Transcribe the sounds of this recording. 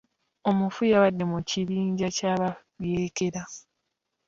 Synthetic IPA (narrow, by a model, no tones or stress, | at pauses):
o̞mufujaβadːe̞muciβiːɲɟacaβa | βjeːkeɾa